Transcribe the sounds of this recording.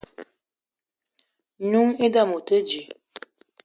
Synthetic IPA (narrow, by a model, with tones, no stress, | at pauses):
ɲu˦ŋe˦da˦˨mu˨tə˦d͡ʒi˨